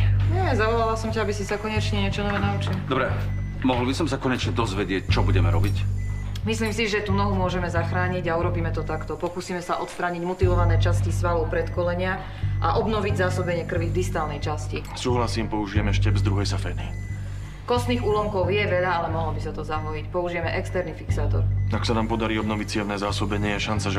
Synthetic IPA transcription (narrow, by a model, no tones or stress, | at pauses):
ɲɛzaʋɔlalasɔmcaabisisakɔɲɛt͡ʃɲɛɲɪɛt͡ʃɔnɔʋɛːnaut͡ʃild̪ɔbɾɛ | mɔɦlbisɔmsakɔɲɛt͡ʃɲɛd̪ɔzʋɛɟɪɛc̚t͡ʃɔbuɟɛmɛɾɔbicmisliːmsiʒɛt̪unɔɦumʊɔʒɛmɛzaxɾaːɲiɟauɾɔbiːmɛt̪ɔt̪akt̪ɔpɔkusiːmɛsaʔɔt̪st̪ɾaːɲiɟmɔt̪iʋɔʋanɛːt͡ʃascisʋalɔʊpɾɛt̪kɔlɛɲɪa | ʔaʔɔbnɔʋiɟzaːsɔbɛɲɪɛkr̩ʋiɣd̪ist̪aːlnɛjt͡ʃasci | suːɦlasiːmpɔuʒijɛmɛʃcɛbzd̪ɾuɦɛjsafɛːni | kɔst̪niːɣuːlɔmkɔʊjɛʋɛʎaalɛmɔɦlɔbisat̪ɔzaɦɔjicpɔuʒijɛmɛʔɛkst̪ɛɾnifiksaːt̪ɔ̰ɾaksanaːmpɔd̪aɾiːɔbnɔʋic̚t͡sɪɛmnɛːzaːsɔbɛɲɪɛjɛʃant͡saʒɛ